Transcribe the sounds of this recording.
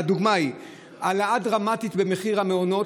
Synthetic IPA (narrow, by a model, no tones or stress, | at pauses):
aduɡmai | alaadʁamat̪it̪be̞me̞χiʁameono̞